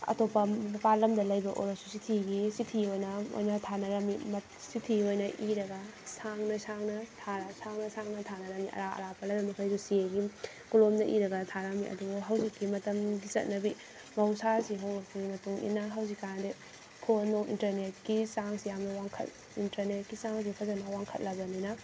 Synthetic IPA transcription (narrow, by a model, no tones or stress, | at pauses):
ɐ̰topːɐɐpalɐmdɐlɐjbɐʔo̰ɾɐsu̥sitʰiɡisitʰiojnɐo̰jnɐtʰanɐɾɐmimɐ | sitʰiojnɐʔiɾɐɡɐsaŋnɐsaŋnɐtʰaɾasaŋnɐsaŋnɐtʰanɐɾɐmiʔɐ̰ɾaɐ̰ɾapɐlɐjbɐmɐkʰɐjsusieɡi | kulomnɐʔiɾɐɡɐtʰaɾɐmiʔɐ̰duɡuɦɐwzikːimɐtɐmɡisɐ̰t̚nɐbi | mɐwsasiɦownɐsimɐtuŋḭnːɐɦɐwzikːanade | kʰonoŋḭntɐɾnet̚kisaŋsijamnɐwaŋkʰɐ̰t̚ | intɐɾnet̚kisaŋs̬ipʰɐzɐnɐwaŋkʰɐt̚lɐbɐninɐ